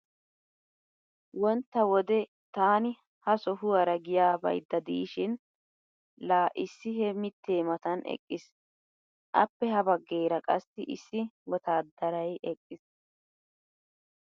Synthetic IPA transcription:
wɔnt̪ːɐwɔd̪ɛ | t̪aːnɪ | hɐsɔɦʊwɐɾɐɡɪjaːbɐ̰jd̪ːɐd̪iːʃɪn | laːʔɪsːɪhɛmɪt̪ʰːeːmɐt̪ɐnɛ̰kʼːɪs | ʔɐpːɛɦɐbɐɡːe̞ːɾɐkʼɐsːɪʔɪsːɪwɔt̪aːd̪ːɐɾɐjɛkʼːɪs

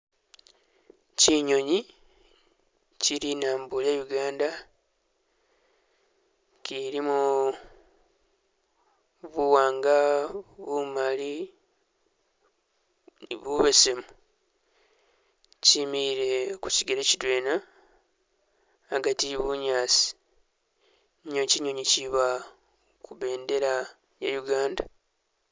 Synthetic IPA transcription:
ciɲo̞ɲi | ciɾinaːmbulejuɡaːnda | ciɾimu | βuwaːŋɡaβumali | βuβe̞semu | cimiiɾe̞ku̥siɡeɾecidwe̞ːna | ɡatiβuɲaːt͡si̥ | ɲociɲoɲiciβa | kuβe̞ːnde̞ɾa | ja̰juɡaːnda

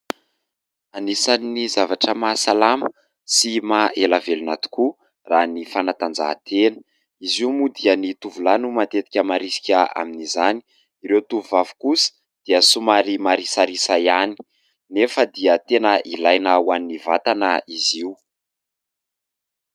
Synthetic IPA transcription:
anisanːizavaʈ͡ʂəmasalamə | simaelavelunat̪u̥ku | ranifanat̪and͡za̰t̪ʰenə̥ | iziumud̪iənit̪uvulanumat̪et̪i̥kʲəmaɾisi̥kʲəa̰minizani̥ | iɾewt̪uvuvavu̥kusə̥ | d̪̥iəsumaɾimaɾisaɾisajani̥ | nefəd̪iət̪enəʔilajnawannivat̪anəiziu

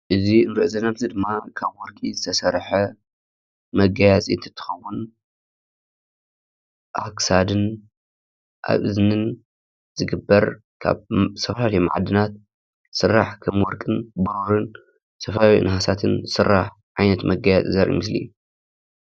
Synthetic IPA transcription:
ʔɨziɨnɾɨʔɨzɐnaβzid̪ɨmːakʰaβwɔɾkʼizɨt̪ʰɐsɐɾħɐ | mɐɡajat͡sʼiɨnt̪ʰɨ̥t̪ʰːɨ̥xɐwːʊn | ʔa̰ksad̪ɨn | ʔa̰βʔɨznɨn | z̥ɨɡɨbːɐɾ | kʰa̰βsɐfɐlalɐjma̰ʕd̪ɨnat̪̚ | sɨrːaħkʰɐmwɔɾkʼɨnbɐɾoɾɨn | sɐfawḭnɨhasat̪ʰɨnzɨsɨrːaħ | ʕajnɐt̪mɐɡajat͡sʼizɐɾʔḭmɨslḭ

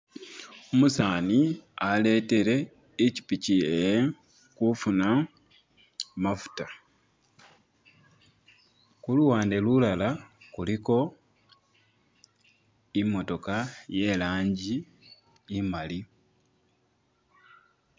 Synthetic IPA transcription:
omusaːniale̞te̞ɾe̞ː | ci̥picie | kufuna | mafu̥ta | kuluwaːnde̞lulalakuliko̞ | imːo̞to̞kaje̞laːɲɟiː | mali

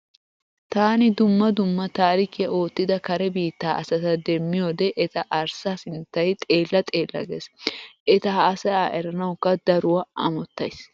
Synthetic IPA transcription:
t̪aːnɪd̪ʊmːɐd̪ʊmːɐt̪aːɾɪkiɐʔo̞ːt̪ːɪd̪ɐkɐɾɛbiːt̪ːaːʔɐsɐt̪ɐd̪ɛmːɪjoːd̪ɛʔɛt̪ɐʔɐɾsaːsɪnt̪ːɐjt̪ʼe̞ːlːɐt̪ʼe̞ːlːɐ̰ɡɛ̰sʔɛt̪ɐhaːsɐaʔɛɾɐnɐwkːɐd̪ɐɾʊwɐʔɐ̰mɔt̪ːɐjs

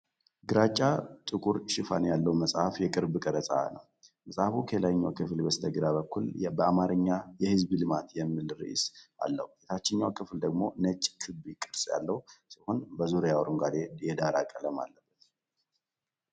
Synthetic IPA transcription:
ɡɨɾat͡ʃʼːat̪ʼɨkʼuɾʃɪfa̰njalːəwməsʼhafjɛkʼɨɾbkʼəɾəsʼa̰nə̰w | məsʼhafukʰelajɲːawkʰɨflbəst̪ʰəɡɨd̪aβəkːulbəamaɾɨɲːajɛhɨzblɨmat̪jɛmːɨlɾḭʔsʔa̰lːə̰hujet̪ʰat͡ʃːɪɲːawkʰɨfld̪əɡmo̞̰nət͡ʃʼːkʰɨbjɪkʼːɨɾsʼja̰lːəhusiho̞nbəzuɾjawɾuŋɡad̪ejɛd̪aɾa̰kʼələma̰lːəbːət̪

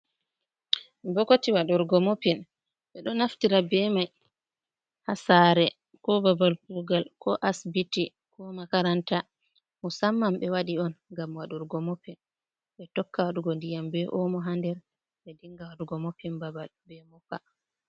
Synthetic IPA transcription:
bɔkotiwaɗuɾɡɔmopin | ɓɛɗɔnaftiɾabɛmaj | hasaɾɛ | kɔbabalkuɡalkʰɔʔasbiti | kɔmakaɾanta | musamːamɓɛwaɗiɔnŋɡamwaɗuɾɡɔmopin | ɓɛtɔkːawaɗuɡɔndijambɛʔɔmɔɦandɛɾ | ɓɛdiŋɡawaɗuɡɔmopinbabalbɛmɔka

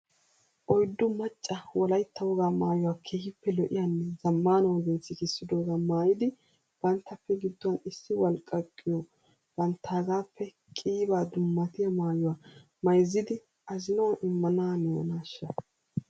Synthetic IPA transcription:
ʔɔjd̪ːʊmɐt͡ʃʼːɐwɔlɐjt̪ʰːɐwɔɡaːmaːjʊwaːkʰeːhɪpːɛlɔʔɪ̰jaːnːɛzɐmːaːnɐwɐɡɛnt͡sːɪkɪsːɪd̪oːɡaːmaːjɪd̪ɪ | b̥ɐnt̪ːɐpːɛɡɪd̪ːɔwɐnɪsːɪwɐlkʼːɐkʼːɪjɔ | b̥ɐnt̪ʰːaːɡaːpʰːɛ | kʼiːbaːd̪ʊmːɐt̪ɪjɐmaːjɔwaː | mɐjzːɪd̪ɪ | ʔɐzɪnɐwaʔɪmːɐnaːnɛ̰naːʃːɐ

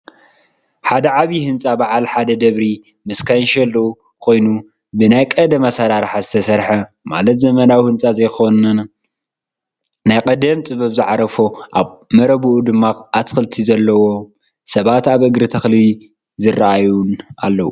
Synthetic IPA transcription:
ħad̪ɐʕaβihɨnt͡sʼabaʕalħad̪ɐd̪ɐβɾi | mɨskʰajnʃɐlːɐu | kʰo̞jnu | bɨnajkʼɐd̪ɐmasaɾaɾħazɨt̪ʰɐsɐɾħɐ | ma̰lɐt̪zɐmɐnawihɨnt͡sʼazɐjxo̞nɐn | najkʼɐd̪ɐmt͡sʼɨβɐβzɨʕaɾɐfoʔaβmɐɾɐβuʔud̪ɨmːaat̪xɨlt̪ʰizɐlːɐwo̞ | sɐβat̪aβʔɨɡɾɨt̪ʰɐxli | zɨrɐʔajunʔa̰lːɐwṵ

